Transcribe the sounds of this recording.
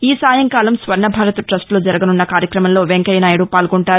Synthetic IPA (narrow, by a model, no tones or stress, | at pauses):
iːsaːjɐŋkaːlɐmsʋɐɾɳɐbʱaːɾɐt̪uʈɾɐsʈloːd͡ʒɐɾɐɡɐnunːɐkaːɾjɐkɾɐmɐmlo̞ːʋeŋkɐjɐnaːjɐɽupaːlɡɔɳʈaːɾu